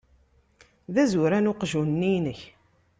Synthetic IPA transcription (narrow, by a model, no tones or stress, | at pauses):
ðæzuɾænʊqʒunːinəç